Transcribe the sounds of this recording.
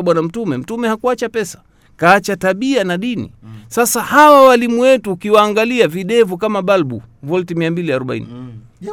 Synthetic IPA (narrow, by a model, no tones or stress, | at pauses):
ɓwanam̩tumɛm̩tumɛhakuat͡ʃapɛsḁ | kaːt͡ʃataɓianaɗinḭsasahawawalimuwɛtuːkiwaːŋɡaliaviɗɛvukamaɓalɓṵ | vɔltimiambiliaɾɔɓa̰ḭnḭ